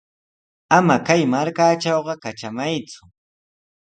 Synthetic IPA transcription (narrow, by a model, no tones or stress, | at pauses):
amakajmaɾkaːʈ͡ʂɑwɢɑkaʈ͡ʂamajt͡sʊ̥